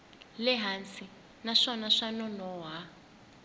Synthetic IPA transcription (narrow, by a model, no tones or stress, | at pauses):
lɛɦansi | naʂɔnaʂanɔnɔɦa